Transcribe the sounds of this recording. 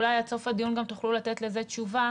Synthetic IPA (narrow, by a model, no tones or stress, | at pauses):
lajat͡so̞fad̪ijunɡamt̪uχlulat̪e̞t̪le̞ze̞tt͡ʃuva